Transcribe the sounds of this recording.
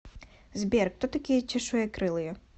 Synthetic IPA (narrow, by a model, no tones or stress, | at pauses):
zbʲɛrkt̪ɔt̪ɐkʲɪjɛt͡ʃʲɪʃujɛkɾɪlˠɪjʊ